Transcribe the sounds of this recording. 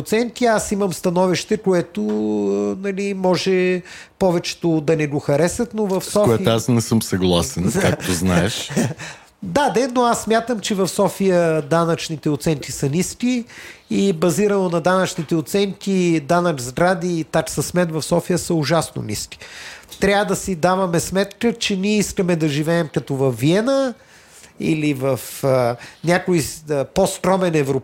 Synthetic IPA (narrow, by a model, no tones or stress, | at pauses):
t̪sɛnt̪iasiməmst̪ɐnɔviʃt̪ɛkoɛt̪o | nɐlimɔʒɛ | pɔvɛt͡ʃɛ̥t̪od̪ɐnɛɡʊxɐɾɛsət̪novɐfsɔkoɛasnɛsɤmsɐɡlˠasɛnkak̚t̪oznaɛʃ | d̪ad̪ɛnoasːmʲjat̪əmt͡ʃɛvɐfsɔfijəd̪anɐt͡ʃnit̪ɛʊt̪sɛnt̪isɐnʲiskʲiibɐziɾənonɐd̪anɐt͡ʃnit̪ɛʊt̪sɛnt̪ʲid̪anɐɡzɡɾad̪it̪aksɐsmɛt̪vɐfsɔfijəsəʊʒasno̰nʲḭskʲi̥t̪ɾʲavəd̪ɐsid̪avɐmɛsmɛt̪kət͡ʃɛnʲiɛiskəmɛd̪ɐʒivɛːmkɐt̪ɔvɐfːiɛnə | ḭlivɐfənʲakojəpost̪ɾɔmɛnɛvɾo